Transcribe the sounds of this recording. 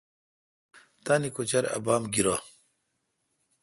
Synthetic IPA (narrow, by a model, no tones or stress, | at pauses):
t̪anikot͡ɕɐɾɐ̰baːmɡiɾa